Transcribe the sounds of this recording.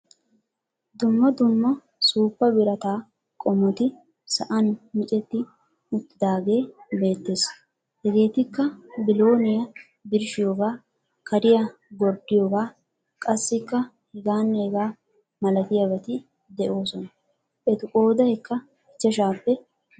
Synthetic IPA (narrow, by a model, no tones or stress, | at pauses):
d̪ʊmːɐd̪ʊmːɐ | suːpːɐbɪɾɐt̪aː | kʼɔmːɔt̪ɪ | sɐʔɐnmɪt͡ʃʼɛt̪ːɪ | ʊt̪ːɪd̪aːɡe̞ːbe̞ːt̪ːe̞ːs | hɛɡe̞ːt̪ɪkːɐbɪlo̞ːnɪjɐ | bɪɾʃɪjoːɡaː | kʰɐɾɪjɐ | ɡɔɾd̪ɪjoːɡaː | kʼɐsːɪkːɐ | hɪɡaːnːeːɡaː | mɐlɐt̪ɪjɐbɐt̪ɪ | d̪ɛʔo̞ːsɔnɐ | ʔɛt̪ʊkʼo̞ːd̪ɐɛkːɐ | ɪt͡ʃːɐʃaːpːɛ